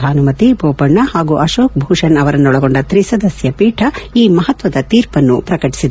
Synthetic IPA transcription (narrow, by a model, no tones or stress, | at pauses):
aːnumɐt̪ibʱoːpɐɳːɐhaːɡuʔɐʃoːk̚bʱuːʂɐnɐʋɐɾɐnːɔɭɐɡo̞ɳɖɐt̪ɾisɐd̪ɐsjɐpiːʈʰɐiːmɐɦɐt̪ʋɐd̪ɐt̪iːɾpɐnːupɾɐkɐʈi̥sid̪